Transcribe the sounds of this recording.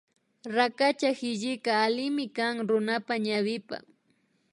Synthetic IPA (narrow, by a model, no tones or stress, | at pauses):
ɾakat͡ʃahɪʎɪkaːlɪmɪkaŋɾʊnapaɲawɪpa̰